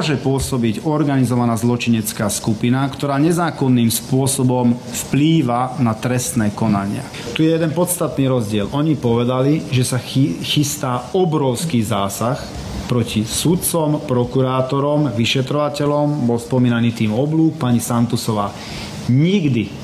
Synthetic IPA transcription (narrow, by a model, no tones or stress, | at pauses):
ɔʒɛpʊɔsɔbiɟɔɾɡanizɔʋanaːzlɔt͡ʃiɲɛt͡skaːskupinakt̪ɔɾaːɲɛzaːkɔnːiːmspʊɔsɔbɔmfpliːʋanat̪ɾɛst̪nɛːkɔnaɲɪa̰ | t̪ujɛjɛd̪ɛnpɔt̪st̪at̪niːɾɔzɟɪɛlʔɔɲipɔʋɛd̪aliʒɛsaxist̪aːɔbɾɔʊskiːzaːsax | pɾɔcisut̪̚t͡sɔmpɾɔkuɾaːt̪ɔɾɔmʋiʃɛt̪ɾɔʋacɛʎɔmbɔlspɔmiːnaniːt̪iːmɔbluːk̚paɲisant̪usɔʋaː | ɲiɡd̪i